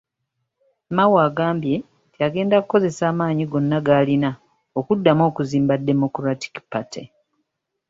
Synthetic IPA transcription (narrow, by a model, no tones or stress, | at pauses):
mawaːɡaːmbje̞ | tiaɡe̞ːndakuko̞ze̞saːmaːɲiɡo̞nːaɡaːlina | okudːamo̞ːkuziːmbadːe̞mo̞kɾati̥ki̥patḛ